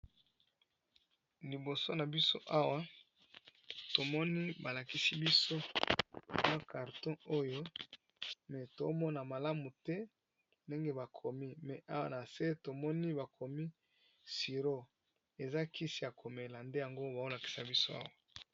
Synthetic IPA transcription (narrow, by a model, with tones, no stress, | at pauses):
li˨bo˨so˦na˨bi˦so˦ʔa˦wa˦ | to˨mɔ˦ni˦ba˨la˨ki˦si˦bi˦so˦ | ba˦ka˨ʁtɔ̃˦o˦jo˦ | mɛ˨to˦mɔ˦na˨ma˨la˦mu˨tɛ˦ | nde˦ŋɡe˦ba˨kʰo˨mi˦mɛ˨ʔa˦wa̰˦na˨se˦to˨mɔ˦ni˦ba˨kʰo˨mi˦ | si˨ʁo˦ | e˨za˦kʰi˦si˦a˨kʰo˨me˨la˨nde˦ja˨ŋɡo˦ba˨o˦la˨ki̥˨sa˨bi˦so˦a̰˦wa˨